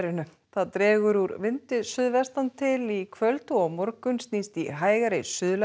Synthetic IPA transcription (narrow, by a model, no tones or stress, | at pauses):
ɾɪnʏ | θaðt̪ɾɛːɣʏɾuɾvɪnt̪ɪsʏðvɛrst̪ant̪ʰɪlikʰvœlt̪ʏɔɣmɔɾkʏnst̪nist̪iɦaːjɣaɾesʏðla